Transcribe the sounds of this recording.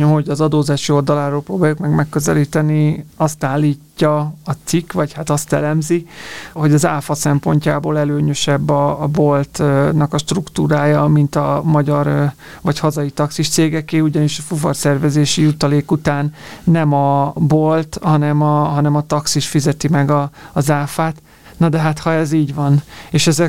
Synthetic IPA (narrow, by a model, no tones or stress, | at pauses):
ho̞ɟɒzɒd̪oːzaːʃio̞ld̪ɒlaːɾoːlproːbaːjukmɛɡmɛkːø̞zɛliːt̪ɛniɒst̪aːlːiːcːɒɒt̪sikvɒchat̪ɒst̪ɛ̰lɛmziho̞ɟɒzaːfɒsɛmpo̞̰ɲcaːboːlɛløːɲøʃɛbːɒːbo̞lt̪nɒkɒʃt̪rukt̪uːɾaːjɒmint̪ɒmɒɟɒr | vɒchɒzɒjit̪ɒksiʃt̪seːɡɛkeːuɟɒniʃɒfuvo̰rsɛrvɛzeːʃijut̪ɒleːkut̪aːnːɛmɒbolt̪hɒnɛmɒɦɒnɛmɒt̪ɒksiʃfizɛt̪imɛɡɒːzaːfaːt̪ | nɒd̪ɛɦat̪hɒɛziːɟʋɒneːʃɛzɛ